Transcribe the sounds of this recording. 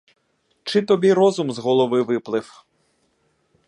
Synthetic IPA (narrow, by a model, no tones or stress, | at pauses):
t͡ʃɪt̪ɔbʲiɾɔzʊmzɦɔlˠɔʋɪʋɪplˠɪw